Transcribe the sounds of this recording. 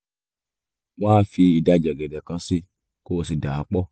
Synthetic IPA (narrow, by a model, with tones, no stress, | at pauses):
waː˦fi˧i˨da˧d͡ʒɛ˨ɡɛ˨dɛ˨kã˧si˧ | ko˦o˧˨si˧da˨a˨˧k͡pɔ˦